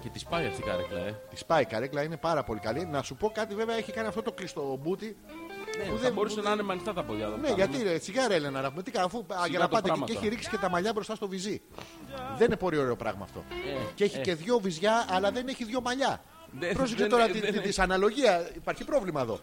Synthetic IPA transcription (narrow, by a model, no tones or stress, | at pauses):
cet̪ispɐjet͡sikɐ̰ɾḛklɐ̰et̪i̥spɐikɐɾeklɐine̞pɐɾɐpo̞likɐlinɐsupo̞kɐt̪ive̞veɐeçikɐniɐft̪ot̪o̞klist̪o̞but̪i | puðeboɾusennɐnemɐnist̪ɐt̪ɐpoʎɐ̰ðoneʝɐt̪it͡siɣɐɾe̞lenɐnɐvumit̪ikɐːfuʝɐnɐt̪pɐt̪eeeçiɾiksi̥ce̞t̪ɐmɐʎɐbɾo̞st̪ɐst̪o̞vizi | ðeninepo̞ɾio̞ɾe̞o̞pɾɐ̰ɣmɐ̰ft̪o̰ceçice̞ðʝo̞vizʝɐːlɐðe̞neçiðʝo̞mɐʎɐ | pɾsekset̪o̞ɾɐit̪isɐnɐlo̞ʝiɐipɐɾçipɾo̞vlimɐeðo̞̰